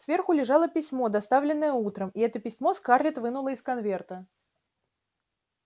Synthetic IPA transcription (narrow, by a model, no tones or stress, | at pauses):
svʲe̞rxʊlʲɪʐɑlˠəpʲɪsʲmo̞d̪ɐst̪avlʲɪnːəjəut̪ɾəmiɛt̪əpʲɪsʲmo̞skarlʲɪt̪vɨnʊlˠəɪskɐnvʲe̞rt̪ə